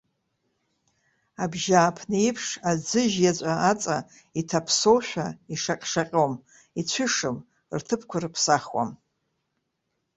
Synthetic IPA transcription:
abʒaːpʰnɨipʰʂad͡zɨʒjat͡ɕʷʼaat͡sʼa | itʰapʰsowʃʷᶣaiʂaqʲʼʂaqʲʼom | it͡ɕʷʰʏʂɨm | rtʰɨpʰkʷʰarɨpʰsaχwa̰m

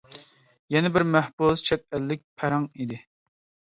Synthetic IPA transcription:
jɛnɪbɪɾmæhbuzt͡ʃʰɛt̪̚ɛlːɪk̚ʲpʰæɾɑŋid̪ɪ

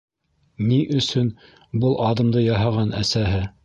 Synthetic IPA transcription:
niʔɵ̆sɵn | bɤlˠʔɑðɤ̆md̪ɤjɑɦɑʁɑnæ̰sæɦɘ

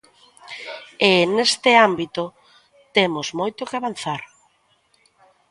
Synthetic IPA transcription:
enest̪ɪambit̪o | t̪emozmojt̪okɪaβan̟θaɾ

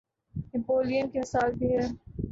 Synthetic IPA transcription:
nɪpoːlijənkemɪsaːlbʱiɦɛː

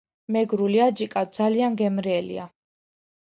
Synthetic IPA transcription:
mɛɡɾuliad͡ʒikʼad̪̚d̪zalianɡɛmɾɛːlḭa̰

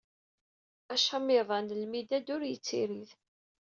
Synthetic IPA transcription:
æʃamiðˤɑnlmid̪æd̪ʊɾjət͡sːiɾið

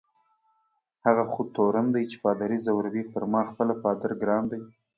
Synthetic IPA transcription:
haɣaxut̪oɾand̪ajt͡ʃe̥pɑd̪aɾizawɾabipəɾmɑxpəlapɑd̪aɾɡɾɑnd̪aj

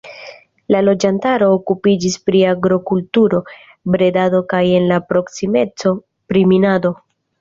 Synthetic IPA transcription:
lalo̞d͡ʒantaɾo̞ːkupid͡ʒispɾiaɡɾo̞kultuɾo̞ | bɾe̞dado̞kaje̞nlapɾo̞ksime̞t͡so̞ | pɾiminado̞

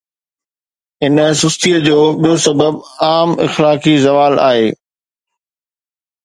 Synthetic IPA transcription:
ɦɪnəsʊst̪ʰiəd͡ʑoːɓijosɐbəbaːmɪ̰xlaːkizɐʋaːla̰ːɦeː

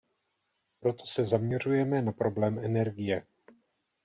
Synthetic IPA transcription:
pɾo̞t̪o̞̥sɛzamɲɛr̝ujɛmɛnapɾoblɛːmɛnɛɾɡɪjɛ

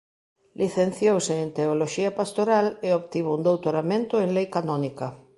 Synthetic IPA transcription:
lʔiθen̟θjowseːnt̪eoloʃiɐpast̪oɾaleopt̪iβound̪owt̪oɾamẽnt̪ʊeŋlejkanɔnikɐ

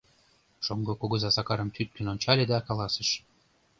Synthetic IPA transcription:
ʃoŋɡŏkoɡɤ̆zɑsɑkɑɾəmt̪ʰyt̪̚kə̆nonʲt͡ɕɑlʲed̪ɑkɑlˠɑsə̆ʃ

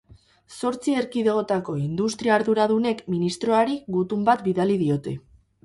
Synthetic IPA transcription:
so̞ɾt͡sie̞ɾkiðeɣo̞t̪ako̞ind̪ust̪ɾiaːɾðuɾaðune̞kminist̪ɾo̞aɾiɡut̪umbat̪biðaliðio̞t̪e̞

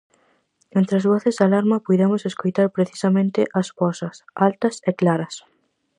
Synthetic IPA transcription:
ẽnt̪ɾɪɐzβɔθezd̪alaɾmɐpujðemʊseskojt̪aɾpɾeθi̥sɐmẽnt̪ɪʔɐspɔsɐsalt̪ɐseklaɾɐs

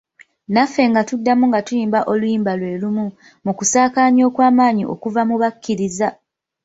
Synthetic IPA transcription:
nafːe̞ŋɡatudːamuŋɡatujiːmbaʔo̞lujiːmbalwe̞ːlumu | mukusaːkaːɲo̞ːkwaːmaːɲḭʔo̞̰kuvamuβakːiɾiza

